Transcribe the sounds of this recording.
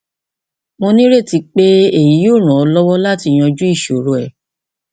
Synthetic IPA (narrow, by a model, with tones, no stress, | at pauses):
mõ˧nĩ˦ɾe˦˨ti˧k͡pe˦e˦˨ji˨˦jo˦˨ɾ̃ã˨ɔ˧lɔ˦wɔ˦la˦ti˧˨˧j̃ɔ̃˧d͡ʒu˦i˦˨ʃo˨ɾo˨ɛ˨